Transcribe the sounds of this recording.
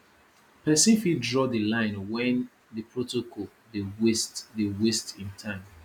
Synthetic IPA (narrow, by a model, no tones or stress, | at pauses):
pʰɛsĩnfidɹɔdəlãɪ̃nwɛ̃n | dəpʰɹotokʰɔl | dewestdewestĩntʰãɪ̃m